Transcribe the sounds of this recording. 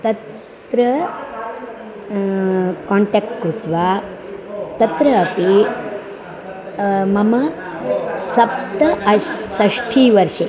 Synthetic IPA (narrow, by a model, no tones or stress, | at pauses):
t̪ɐt̪ | ɾɐ | kɔːɳʈek̚ʈkut̪ʋaː | t̪ɐt̪ɾɐːpi | mɐmɐ | sɐp̚t̪ɐɐsɐʂʈʰiːʋɐɾʃe